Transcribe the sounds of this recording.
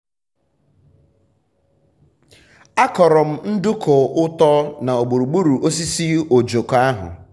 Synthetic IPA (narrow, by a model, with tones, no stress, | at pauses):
a˦kɔ˨ɾɔ˨m̩˦n̩˦dʊ˦kʊ˨ʊ˦tɔ˦na˨o˨ɡ͡bu˨ɾu˨ɡ͡bu˦ɾu˨ʔo˦s̬i˦si˦o˨d͡ʒo˨ka˦ɦʊ̰˨